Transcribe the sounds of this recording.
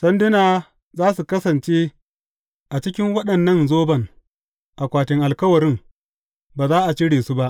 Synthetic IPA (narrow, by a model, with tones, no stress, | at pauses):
sɐ˦ndɪ˦naː˨ | zaː˦su˨kɐ˦sɐ˨nt͡ʃeː˦ | ʔa˨t͡ʃɪ˦kʲɪ˦ŋwɐ˦ɗɐ˨nːɐ˦nzoː˦bɐ˨ŋ | ʔa˨kʷaː˨tɪ˦ŋʔa˨lkɐ˦wɐ˨ɾɪ˦m | baː˨zaː˦ʔa˨t͡ʃɪ˦ɽeː˨su˦ba˦ʔ